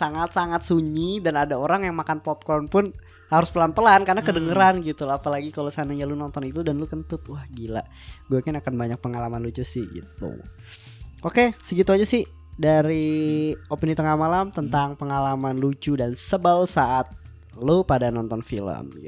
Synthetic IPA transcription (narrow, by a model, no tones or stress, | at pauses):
saŋat̪̚saŋat̪̚suɲidanadaoɾaŋjaŋmakanpɔp̚kɔnpʊn | haɾʊspəlanpəlankarnakədəŋəɾanɡit̪ulapalaɡikalosanaɲalunɔnt̪ɔnit̪udanlukənt̪ʊt̪̚wahɡila̰ | buakanakanbaɲak̚pəŋalamanlut͡ʃusɪhɡḭt̪ṵ | ʔokesəɡit̪uaɲasɪh | daɾi | opinit̪əŋahmalamt̪ənt̪aŋpəŋalamanlut͡ʃudansəbəlsaʔat̪̚ | lopadanɔnt̪ɔnfilə̰mɡi